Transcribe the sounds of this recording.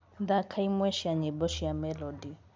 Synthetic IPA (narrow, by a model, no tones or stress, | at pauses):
d̪akʰaimwɛʃiaɲɛbɔʃiamɛlɔdi